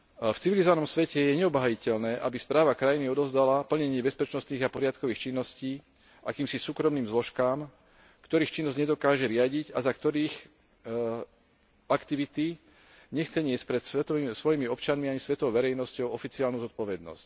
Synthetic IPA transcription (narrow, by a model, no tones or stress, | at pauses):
ft͡siʋilizɔʋanɔmsʋɛcɛjɛɲɛɔbɦajicɛʎnɛːʔabispɾaːʋakɾajiniɔd̪ɔʊzd̪alapl̩ɲɛɲɪɛbɛspɛt͡ʃnɔst̪niːɣapɔɾɪat̪kɔʋiːxt͡ʃinːɔsciː | ʔakiːmsisuːkɾɔmniːmzlɔʃkaːm | kt̪ɔɾiːxt͡ʃinːɔzɟɲɛd̪ɔkaːʒɛɾɪaɟiɟazakt̪ɔɾiːx | akt̪iʋit̪i | ɲɛxt͡sɛɲɪɛsc̚pɾɛt̪sɛt̪ɔsʋɔjimiɔpt͡ʃanmiaɲisʋɛt̪ɔɔʊʋɛɾɛjnɔscɔʊɔfit͡siaːlnuːzɔt̪̚pɔʋɛd̪nɔ̰sc